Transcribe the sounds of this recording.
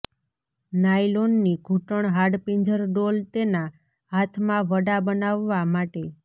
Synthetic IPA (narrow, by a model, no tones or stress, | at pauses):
najlonːiɡʱuʈəɳɦaɖpiɲd͡ʒəɾɖolt̪ena | ɦat̪ʰmãʋəɖabənaʋːamaʈe